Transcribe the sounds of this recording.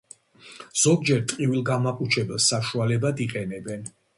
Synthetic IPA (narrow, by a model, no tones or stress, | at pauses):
z̥ɔɡ̚d͡ʒɛɾt̪ʼqʼivilˠɡamakʼut͡ʃʰɛbɛlˠsːaʃualɛbad̪iqʼɛnɛbɛn